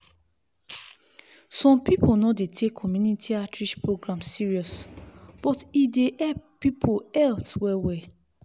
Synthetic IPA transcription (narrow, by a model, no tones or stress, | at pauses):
sɔ̃mpiponɔdetʰekʰɔmjunitʰiatʰɹiʃpɹoɡɹãmsiɹiɔsb̥ɔtideɛppːipʰoɛlswɛwɛ